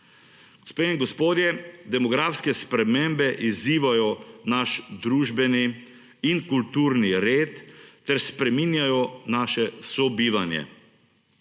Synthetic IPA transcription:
ɡ̥ɔspeːniŋɡɔspoːd̪jɛd̪ɛmɔɡɾaːfskɛspɾɛmembɛʔiziːʋajɔnaʃd̪ɾuːʒbɛni | inkult̪uːɾniɾeːt̪ːɛɾspɾɛminjajɔnaːʃɛsɔbiːʋanjɛ̰

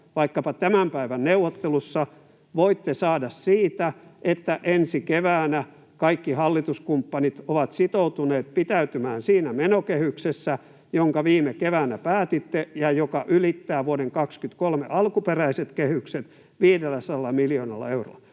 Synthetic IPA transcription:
ʋɑikːɑpɑt̪æmæmpæiʋænneuwot̪ːelusːɑ | ʋoit̪ːesɑːdɑssiːt̪æʔet̪ːæʔensikeʋæːnæ | kɑikːihɑlːit̪uskumpːɑnit̪oʋɑt̪sit̪out̪uneːt̪̚pit̪æyt̪ymæːnsiːnæmenokehyksesːæ | joŋkɑʋiːmekeʋæːnæpæːt̪it̪ːejɑjokɑʔylit̪ːæːʋuoɾeŋkɑkskyt̪kolmḛʔɑlkuperæiset̪kehykset̪ | ʋiːdelːˑæsɑlːɑmiljoːnɑ̰lːɑ̰euro̰ˑɑ

